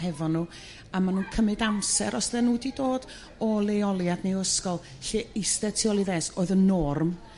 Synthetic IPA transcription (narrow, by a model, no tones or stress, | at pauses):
ɦɛvɔnuː | amanuːnkʰəmɨdamsɛ̰ɾʔɔsðɛnuːdidoːd̥ | ɔlˠeɔlˠjadneəskɔlˠ | ɬeɪstɛtʰiɔlˠiðɛsoːɨðənːɔrm